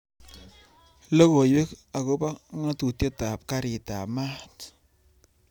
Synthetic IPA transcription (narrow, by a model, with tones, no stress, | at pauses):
lo˦ko˨je˦ka˨ko˦pa˦ŋa˦tu˨tje˦ta˨p̚ka˦ɾi˨ta̰˨ma˦t